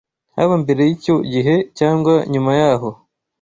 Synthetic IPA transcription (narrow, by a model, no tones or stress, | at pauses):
ha̰βambeɾe̞jico̞ɟiɦe̞caːŋɡwaɲumajaɦo̞